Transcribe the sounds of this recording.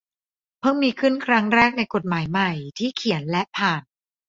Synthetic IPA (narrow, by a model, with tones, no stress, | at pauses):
pʰɤː˥˩ŋmiː˧kʰɯ˥˩nkʰɾa˦˥ŋɾɛː˥˩k̚na˧jko˨˩t̪̚maː˩˦jma˨˩jt̪ʰiː˥˩kʰi˨˩˦ənlɛ˦˥ʔpʰaː˨˩n